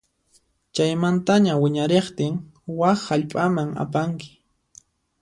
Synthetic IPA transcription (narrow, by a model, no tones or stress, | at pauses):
t͡ʃajmant̪aɲawɪɲaɾeχt̪ɪŋ | waχːaʎpʼamaŋa̰paŋkɪ̥